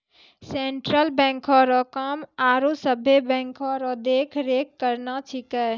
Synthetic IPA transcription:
seɳʈɾəlbɛ̃ŋkʰɔɾɔkəmaɾusəbʱebɛ̃ŋkʰɔɾɔd̪ekʰɾekːəɾnat͡ʃʰikɛ

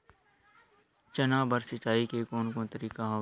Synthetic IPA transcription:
t͡ʃɐnaːbəɾsɐt͡ʃaːikekoːnkõt̪əɾiːkaɦoː

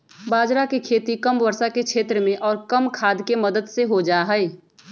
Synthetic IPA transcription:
baːd͡ʒɾakekʰeːt̪ikəmʋəɾsakekʃʰeːt̪ɾəmẽʔɔːɾkəmkʰaːd̪keməd̪əd̪seɦod͡ʒaːɦɛe

